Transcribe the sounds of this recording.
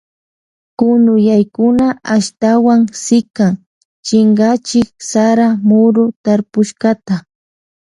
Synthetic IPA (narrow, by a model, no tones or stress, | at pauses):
kʊnʊjajkʊnaʔaʃt̪awaŋsɪkaŋ | t͡ʃɪŋɡat͡ʃɪk̚saɾamʊɾʊt̪aɾpʊʃkat̪a